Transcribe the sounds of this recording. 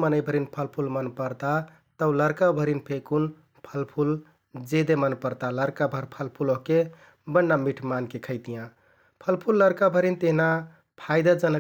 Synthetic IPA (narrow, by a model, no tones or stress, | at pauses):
mənəjbʱəɾinpʰəlpʰulmənpəɾt̪a | t̪əwləɾkabʱəɾinpʰekun | pʰəlpʰul | d͡ʒed̪emənpəɾt̪aləɾkabʱəɾpʰəlpʰuloɦke | bənːamiʈʰmankekʰəɪt̪ijã | pʰəlpʰulːəɾkabʱəɾint̪eɦna | pʰaɪd̪ad͡ʒənə